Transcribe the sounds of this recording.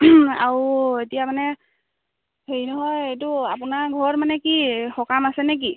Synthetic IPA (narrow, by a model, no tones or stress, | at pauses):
a̰ɹuetijamanɛ | heɹinɔɦɔjejtuapʊnaɹɡʱɔɹmanɛkixɔkamasɛnek̬i